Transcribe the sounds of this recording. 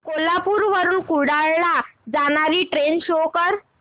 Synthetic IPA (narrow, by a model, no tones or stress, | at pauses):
kolapuɾʋəɾuːnkuɽaɭːad͡zaɽ̃aɾiːʈɾenɕokəɾ